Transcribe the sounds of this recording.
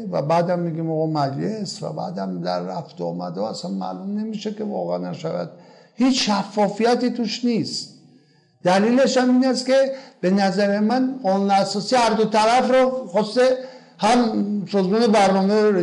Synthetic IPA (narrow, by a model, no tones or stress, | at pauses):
va̰bad̪amːeɡimɔɣɔmæd͡ʒlesva̰ba̰d̪amd̪æ̰ɾːaft̪ɔ̰ːma̰d̪ɔasanma̰lumnemiʃekʰivɔ̰ʁeanæʃavæ̰d̪̚ | hit͡ʃʃafːɔfijat̪it̪ʰuʃnis | d̪ælileʃaminast̪keb̥enæzaɾemanʁɔnunasɔsihaɾd̪ut̪ʰaɾafɾɔχɔst̪e | hamsɔzmɔnibæɾnɔmeɾ